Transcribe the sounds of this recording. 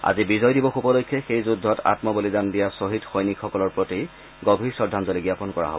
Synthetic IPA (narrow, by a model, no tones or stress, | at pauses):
a̰zibizɔjdibɔxupɔlojkʰːɛxejzudʱːɔta̰tmɔbolizandijasoɦitxojnikxɔkɔlɔɹpɹoti | ɡobʱiɹsɔdʱanzɔliɡijapɔnkɔɹa̰ɦo̰bɔɔ